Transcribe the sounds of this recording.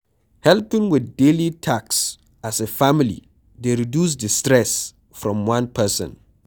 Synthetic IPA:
hɛlpɪ̃ŋwɪθdelitʰaks | asefamilḭ | deɹidjus̬dɪstɹɛs | fɹɔ̃mwãnpʰɛsə̰̃n

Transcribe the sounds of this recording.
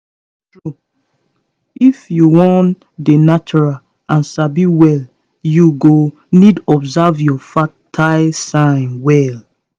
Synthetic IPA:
tɹu | ifjuwɔ̃n | denat͡ʃuɹal | ãnsabiwɛl | juɡo | nidɔbzavjɔfatʰaɪsãɪ̃nwɛl

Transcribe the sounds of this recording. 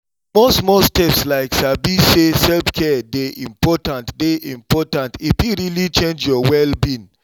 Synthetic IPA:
mosmɔstɛpslaɪksabisesɛlfkʰɛdeʔĩmpɔtãntdeʔĩmpɔtãntipiɾilit͡ʃẽnd͡ʒjɔwɛlbĩn

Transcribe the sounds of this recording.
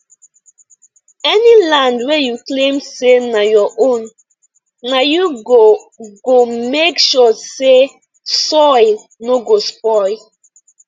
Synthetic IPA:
ɛnilãndwɛjuklẽmsenajɔʔõnː | ajuo | ɡomekʃɔse | sɔɪ | noɡospɔɪ

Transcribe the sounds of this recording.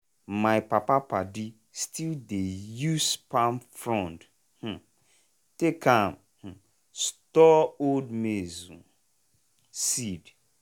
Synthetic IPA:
majpapapadi | stildejuspamfɾɔ̃nd | h̩ | tekam | h̩ | stɔoldmezũ | sid

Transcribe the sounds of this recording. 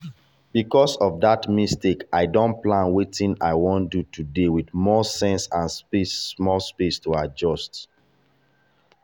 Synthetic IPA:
bikɔsɔvdatmistekaɪdõnt̚plãnwetĩna̰ɪwõndutʰudewidmɔsɛ̃nsãnspesmɔlspestuad͡ʒɔst

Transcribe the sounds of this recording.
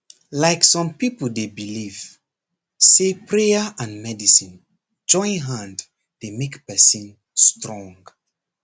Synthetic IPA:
laɪksɔ̃mpipəl̩debiliv | sepʰɹeəʔãnmɛdisĩn | d͡ʒɔ̃ɪ̃nɦãnd | d̥emekpɛsĩn | stɹɔ̃ŋɡ

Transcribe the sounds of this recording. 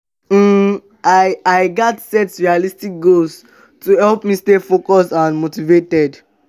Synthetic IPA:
aɪaɪɡatsɛtɹialistik̚ɡols | tuhɛlpmistefokɔstãnmotivetɛd

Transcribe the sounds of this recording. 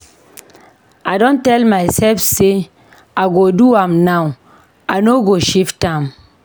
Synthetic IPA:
adɔ̃ntɛlmajsɛlfse | aɡoduamnaw | anoɡoʃiftam

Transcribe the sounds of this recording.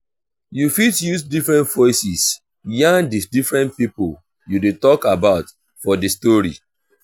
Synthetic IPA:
jufitjusdifɹɛ̃ntvɔɪsis | jãŋdisdifɹɛ̃nt̚pipol | judetɔkabaʊt | fɔdistɔɹḭ

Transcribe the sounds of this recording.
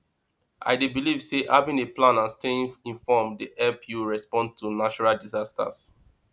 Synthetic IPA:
ʔa̰ɪdebilivseʔavĩneplãnãnstẽĩnfɔmdiʔɛpjuɹɛspɔ̃n̚tʰunat͡ʃuɹaldizasta̰s

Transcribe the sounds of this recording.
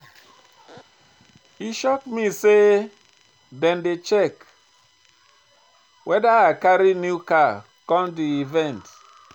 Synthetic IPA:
iʃɔkmise | dɛ̃ndet͡ʃɛk | wʔɛdaakaɾinjuka | kɔ̃mdiivɛ̃nt

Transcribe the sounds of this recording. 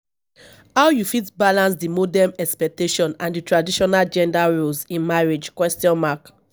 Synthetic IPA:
hawjufitbalãns̬dimodɛmɛkspɛk̚teʃɔ̃nãnditɹadiʃɔnald͡ʒɛ̃ndaɹolsĩnmaɹid͡ʒkwɛstiɔ̃nmak

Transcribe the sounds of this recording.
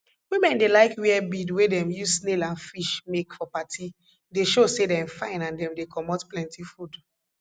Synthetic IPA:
wimɛ̃ndelaɪkwiɛbidwedɛ̃mjusnelãnfiʃmekfɔpatʰi | deʃosedɛ̃mfãɪ̃nãndɛ̃mdekʰɔmɔtplɛ̃ntʰifud

